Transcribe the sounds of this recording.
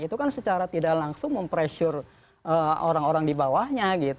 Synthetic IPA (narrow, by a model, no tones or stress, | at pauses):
it̪ukansət͡ʃaɾat̪idaʔlaŋsʊŋməmpɾeʃʊr | ʔəːoɾaŋoɾaŋdibawahɲaɡit̪